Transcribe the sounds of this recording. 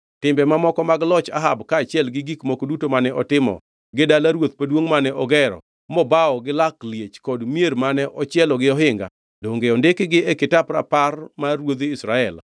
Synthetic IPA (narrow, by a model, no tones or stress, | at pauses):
tɪmbɛmamɔkɔmaɡlɔt͡ʃa̰ɦabkaːt͡ʃɪɛlɡɪɡikmokodutomanɛʔɔtɪmɔ̰ | ɡɪdalaɾwot̪̚padwoŋmanɛʔɔɡɛɾɔ̰ | mɔbaɔɡɪlakljet͡ʃkɔdmjeɾmanɛʔɔt͡ʃɪɛlɔɡɪɔɦɪŋɡa̰ | doŋɡeɔndɪkɡɪekɪtapɾa̰parmawod̪ɪsɾaɛl